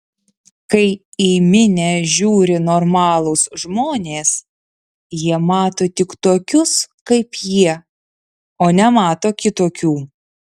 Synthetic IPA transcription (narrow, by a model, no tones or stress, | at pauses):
kɐɪ | iːmʲɪnʲɛʒʲuːɾʲɪnoːɾmɑːlˠosʒmoːnʲeːs | jiɛmɑːt̪oːt̪ʲɪkt̪oːkʲʊskɐɪpjiɛ | oːnʲɛmɑːt̪oːkʲɪt̪oːkʲuː